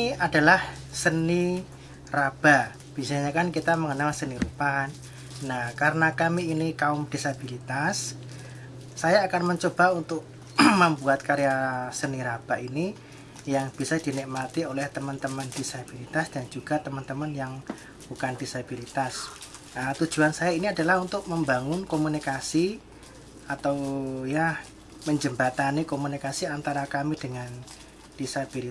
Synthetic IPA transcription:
ad̥a̤lah | səni | rab̥a | b̥isaɲakankit̪aməŋənalsəniɾupanː | ahkaɾənakamiːnikaʊmd̥isabilit̪as | ajaːkanməɲt͡ʃob̥a̤unt̪ʊk̚ | məmbuat̪̚kaɾijasəniɾab̥aʔini | jaŋb̥isad̥i̤nɪk̚mat̪iolɛht̪əmənt̪əmənd̥isab̥ilit̪asd̥and͡ʒuɡ̥a̤t̪əmənt̪əmənjaŋ | b̥ukand̥isab̥ilit̪as | ət̪u̥d͡ʒ̥uansajainiadalahunt̪ʊk̚məmbaŋʊnkomunikasi | at̪awja | məɲd͡ʒəmbat̪anikomunikasiant̪aɾakamid̥əŋan | d̥isab̥ili

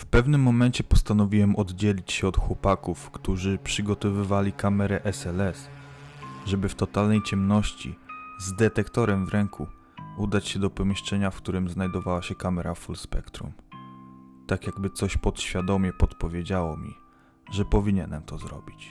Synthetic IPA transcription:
fpɛvnɘmːɔmɛnt͡ɕɛpɔst̪anɔvʲiwɛmɔd̪d͡ʑɛlʲit͡ɕɕɛɔt̪xwɔpakufkt̪uʐɘpʂɘɡɔt̪ɔvɘvalʲikamɛɾɛʔɛsɛlɛs | ʐɛbɘft̪ɔt̪alnɛjt͡ɕɛmnɔɕt͡ɕḭzd̪ɛt̪ɛkt̪ɔɾɛmvɾɛŋkʰu | ud̪at͡ɕɕɛd̪ɔpɔmʲiʂt͡ʂɛɲafkt̪uɾɘmznajd̪ɔvawaɕɛkamɛɾafulspɛ̰kt̪ɾṵm | t̪akʲjaɡbɘt̪sɔɕpɔt̪ɕfʲjad̪ɔmʲjɛpɔt̪pɔvʲjed͡ʑawɔmʲḭ | ʐɛpɔvʲiɲɛnɛmt̪ɔzɾɔ̰bʲit͡ɕ

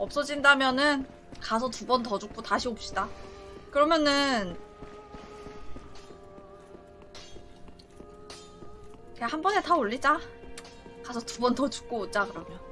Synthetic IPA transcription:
ʌp̚s͈ʌd͡ʑindamjʌnɯn | kas̬ʰʌtubʌntʌd͡ʑuk͈̚otaɕʰiop̚ɕ͈idakɯɾʌmjʌnɯn | ehambʌne̞taoɭːid͡ʑa | kasʰʌtubʌntʌt͡ɕu̥k̚k͈oːt͡ɕ͈akɯɾʌmjʌ

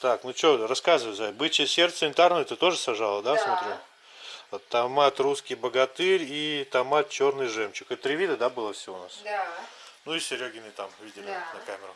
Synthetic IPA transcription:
t̪aknut͡ɕorɐskazɨvəjzɛbɨt͡ɕɪsʲe̞rt̪sənʲɪnʲt̪arnəjt̪ɨt̪o̞ʐɨsɐʐalˠəd̪asmot̪ɾʲi | t̪ɐmat̪ruskʲɪjbəɡɐt̪ɨɾʲit̪ɐmat̪̚t͡ɕo̞rnɨjʐɛmt͡ɕɪkɛt̪t̪ɾʲɪvʲid̪əd̪abɨlˠəfsʲɪvona̰s | nuisʲɪɾʲoɡʲɪnːɨjt̪amvʲidʲɪlʲɪnɐkamʲɪɾə

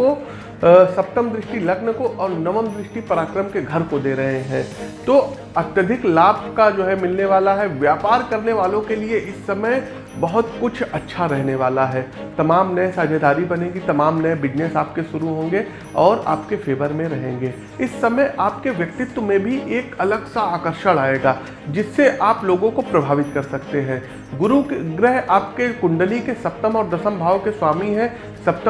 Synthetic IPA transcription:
o | sɐp̚t̪əmd̪ɾɪʃʈilɐɡnəkoʔɔːɾnɐʋəmd̪ɾɪʃʈipɐɾaːkɾəmkeɡʱɐɾkod̪eːɾɐɦeɦɛ̃ːt̪oː | ɐt̪jəd̪ʱɪklaːbkad͡ʒoːɦɛmɪlneʋaːlaɦɛʋjaːpaːɾkɐɾneʋaːlõkelieʔɪsːɐməj | bɐɦʊt̪kʊt͡ʃʰɐtːʃʰaɾɛɦneʋaːlaɦɛːt̪ɐmaːmnɐɛsaːd͡ʒʱed̪aːɾibɐnẽːɡit̪ɐmaːmnɐɛbɪd͡ʒnesaːp̚keʃʊɾuɦõːŋɡe | ɔːɾa̰ːpkefʰeːʋəɾmẽɾɐɦẽːŋɡeː | ɪsːɐməjʔaːp̚keʋjɐk̚t̪ɪt̪wəmẽbʱiʔeːkɐləɡsaaːkəɾʃəɽaːeːɡaː | d͡ʒɪsːeʔaːploːɡõkopɾɐbʱaːʋɪt̪kɐɾsɐkt̪eɦɛ̃ː | ɡʊɾukɡɾəɦaːp̚kekʊ̃ɳɖəlikesɐp̚t̪əmɔːɾd̪ɐsə̃mbʱaːʋkeswaːmiɦɛ̃ | sɐp̚t̪

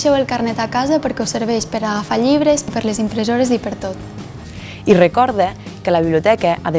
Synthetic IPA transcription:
ʃɛwəlˠkarnɛt̪akazəpəɾkɛwsəɾβɛʃpəɾaɣafaʎiβ̞ɾəzipəɾləzimpɾəzoɾəzipəɾt̪ot̪ | irəkɔɾðəkələβiβliut̪ɛkəʔaðe

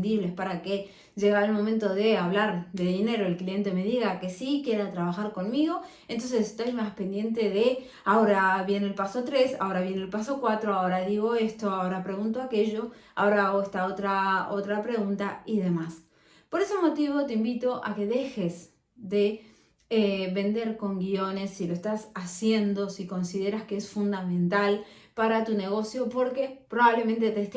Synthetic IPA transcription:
nd̪iβle̞spaɾake̞ | ʒeɣalmo̞mẽnt̪o̞ðe̞aβlaɾðe̞ðine̞ɾo̞elklije̞nt̪e̞me̞ðiɣake̞sikje̞ɾat̪ɾaβaxaɾko̞nmiɣo̞ | ent̪o̞ns̬ese̥st̪ojmaspe̞nd̪je̞nt̪eðe̞ | ao̞ɾaβje̞nelpaso̞t̪ɾe̞sao̞ɾaβje̞nelpaso̞kwat̪ɾoao̞ɾaðiɣo̞e̞st̪oao̞ɾapɾe̞ɣunt̪oake̞ʒo̞a̰o̞ɾaaɣoest̪ao̞t̪ɾao̞t̪ɾapɾe̞ɣunt̪aiðe̞mas | po̞ɾe̞somo̞t̪iβo̞t̪e̞imbit̪o̞ʔa̰ke̞ðe̞xe̞s | ðe̞ | eβe̞nd̪e̞ɾko̞ŋɡio̞ne̞silo̞est̪asasje̞nd̪o̞siko̞nsiðe̞ɾaskeesfund̪amẽ̞nt̪al | paɾat̪une̞ɣ̞o̞sjo̞po̞ɾke̞pɾo̞βaβle̞ment̪e̞t̪est̪

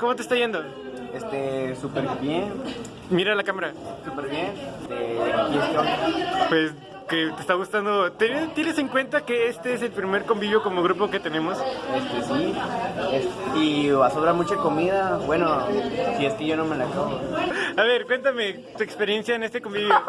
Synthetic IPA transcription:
ko̞mot̪est̪aʝe̞nd̪o̞ | est̪esupeɾbjen | miɾalakamaɾasupeɾβjenst̪ekieskeajpwe̞s | ket̪est̪aɣust̪and̪o̞t̪enet̪je̞ne̞se̞ŋkwe̞nt̪ake̞est̪e̞ese̞lpɾime̞ɾko̞mbiβjo̞ko̞mo̞ɣɾup̬o̞ke̞t̪e̞nẽ̞mo̞sest̪esi | esiasoβɾamut͡ʃako̞miðabwe̞nosie̞skeʝo̞no̞melakaβoaβe̞ɾkwe̞nt̪ame̞ | t̪uekspeɾje̞nsjaene̞st̪eko̞mbiβjo̞

